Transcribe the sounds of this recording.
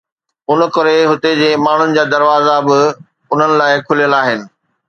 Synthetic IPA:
ʊnkɐɾeɦʊt̪ed͡ʑeːmaːɳ̤ʊnɪ̆d͡ʑaːd̪ɐɾʋaːzabɪ | ʊn̤ənɪ̆laːɪkʰʊlijəlaːɦɪnɪ̆

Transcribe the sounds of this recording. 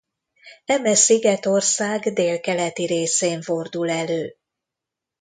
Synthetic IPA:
ɛmɛsiɡɛt̪o̞rsaːɡd̪eːlkɛlɛt̪iɾeːseːɱfo̞rd̪ulɛløː

